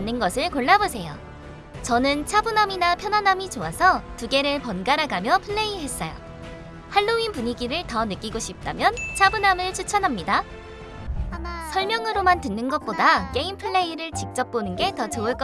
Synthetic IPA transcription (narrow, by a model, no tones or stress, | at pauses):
nːɯnɡʌsʰɯɭkoɭːabosʰe̞jo̰ | t͡ɕʌnɯnt͡ɕʰabunaminapʰjʌnanamit͡ɕoasʰʌtuɡe̞ɾɯɭpʌnɡaɾaɡamjʌpʰɯɭːe̞iɦe̞s͈ʌjo̰ | haɭːoinpuɲiɡiɾɯɭtʌnɯk͈iɡoɕʰip̚t͈amjʌnt͡ɕʰabunamɯɭt͡ɕʰut͡ɕʰʌnɦamɲida | sʰʌɭmjʌŋɯɾomantɯnːɯnɡʌt̚p͈odak͈e̞impʰɯɭːe̞iɾɯɭt͡ɕik̚t͡ɕ͈ʌp̚p͈onɯnɡe̞tʌt͡ɕoɯɭk͈ʌ